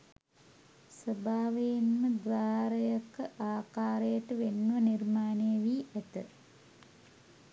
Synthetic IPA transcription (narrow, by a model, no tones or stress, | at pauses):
səbʱaːʋejinməd̪ʋaːɾəjakːəʔaːkaːɾəjəʈəʋenːuʋɐnirmaːnejəʋiːʔæt̪ə